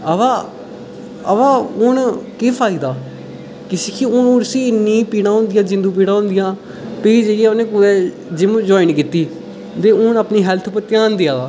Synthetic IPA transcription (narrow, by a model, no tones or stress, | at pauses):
əʋaː | əʋaːʊnkiːpʰaːid̪aː | kɪsikʰiʊnuɾsiːɪnːĩːpiːɽãːɦõːnd̪ɪjãːd͡ʒɪ̃nd̪uːp̬iːɽ̃aːɦʊ̃ːnd̪ɪjãː | peiːd͡ʒəaːʊnẽːkʊd̪ɛː | d͡ʒɪm̃d͡ʒoːɪnkiːt̪ːiː | d̪eːʊnəpniːɦɛlt̪ʰpət̪ɪjãːnd̪ɪjaːd̪aː